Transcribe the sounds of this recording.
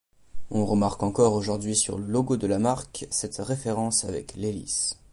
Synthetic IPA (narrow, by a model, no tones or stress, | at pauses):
ɔ̃ʁəmaʁkɑ̃kɔʁoʒuʁd̪ɥisy̰ʁləloɡod̪əlamaʁksɛt̪ʁefeʁɑ̃savɛ̰klelḭs